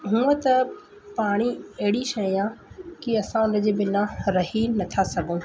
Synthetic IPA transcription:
ɦũːət̪ɐ | paːɽ̃iɐɦɪɽiʃɐiãkiɐsãʊnəd͡ʑebɪnãɾɐɦinɐt̪ʰasɐɡʱõː

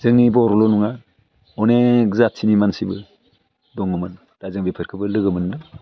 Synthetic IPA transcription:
zɯŋnibɔɾɔlɔnuŋa | ɔneɡzatsʰinimansibɯ̰ | dɔŋɯmɯn | d̥azɯŋbepʰɯɾkʰɯbɯlɯɡɯmɯndɯŋ

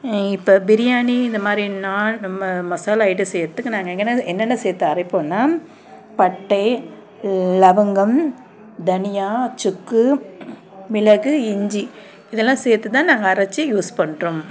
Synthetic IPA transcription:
ɪpːoːbɪɾɪjaːniɪnd̪ɐmaːd̪ɾinaːmɐmɔsaːlɐɪʈɯsɛːɾt̪ːɯkːɯnaːŋɡɐɛŋɡɛnːɐɛnːɛnːɐseːɾt̪ːẽɐɾɐɪpːoːnːaː | pɐʈːɐɪ | lɐʋɐŋɡɐm | d̪ɐnɪjaːt͡ʃʊkːɯ | mɪlɐɣɯɪɲd͡ʒi | ɪðɛlːãːseːɾt̪ːɯt̪ãːnaːŋɡɐːɾɐt͡ʃːijuːspɐɳɾom

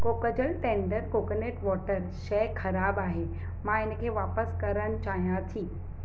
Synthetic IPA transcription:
koːkəd͡ʑəlʈẽːɳɖəɾkoːkəneːʈʋɔːʈəɾʃɐkʰɐɾaːbaːɦeː | mãɪnə̆kʰeːʋaːpəskɐɾəñɪ̆t͡ɕaːɦijãt̪ʰĩː

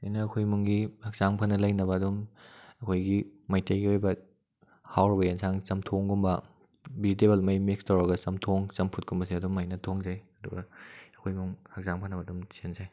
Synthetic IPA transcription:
ajnɐːkʰojmuŋɡihak̚z̥aŋpʰɐnɐlɐjnɐbɐːdumɐkʰojɡimɐjtʰejɡiojbɐ | hawɾɐbɐjansʰaŋt͡ʃɐmtʰoŋɡumbɐ | bitebelmɐjmekstʰawɾɐɡɐsɐmtʰoŋt͡ʃɐmpʰut̚kumbɐsiɐdumːajnɐtʰoŋd͡ʒajɐduɡɐɐkʰojmuŋhak̚zaŋpʰɐnɐbɐdumsenzaj

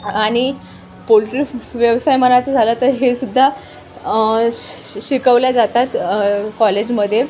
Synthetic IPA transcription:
aɽ̃i | polʈɾiʋjəʋsajmənat͡səd͡zʱalət̪əɾɦesud̪ʱːa | ɕikəʋljad͡zat̪at̪kɔled͡ʑməd̪ʱːje

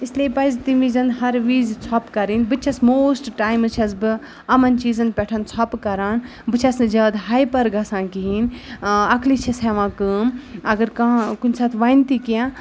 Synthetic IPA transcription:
isleːpɐizt̪iʋiːzɐnd̪ɦɐɾʋiːzt͡sʰɔpkɐɾinbɨt͡ʃʰɐsmoːsʈʈaːjmɨt͡ʃʰɐzbɨ | ɐmɐnt͡ʃiːzɐnpʲɛʈʰɐnt͡sʰɔpkɐɾaːn | bɨt͡ʃʰɐsnɨd͡ʒɐːd̪ɦaːjpɐɾɡɐsãːkiɦinɐklit͡ʃʰɐsɛʋãːkəːmɐɡɐɾkɐ̃kunsɐt̪ʰʋɐjnt̪ikijãː

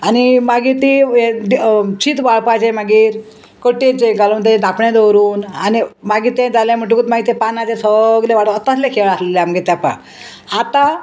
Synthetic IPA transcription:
añimaɡiːt̪ied̪t͡ɕit̪baɭpat͡ɕemaɡiːɾ | kəʈet͡ɕeɡaloːnt̪ed̪apɳẽd̪əɾuːnanimaɡiːt̪ẽd͡zalẽm̤əʈ̬ukut̪maɡit̪ẽpanat͡ɕẽsəɡleʋaɽəət̪aslekʰeɭasleleamɡit̪apã̰ | at̪a

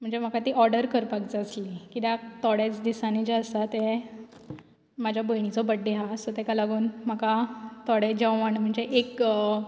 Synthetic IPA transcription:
m̤əɳd͡zem̤əkat̪iʔɔɾɖəɾkəɾpak̚d͡zəslikit̪at̪ɔɽet͡sd̪isaned͡ʑeəsat̪e | mad͡ʑʱjabəjɳ̃it͡sɔbəʈ̚ɖeɦasɔt̪ɛkalaɡuːnm̤akat̪ɔɽed͡ʑə̃wʋanm̤əɳd͡zeʔek

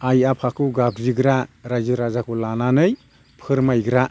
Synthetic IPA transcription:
ajapʰakʰɯɡabziɡɾaɾajzɯɾazakʰulananɯj | pʰɯɾmajɡɾa

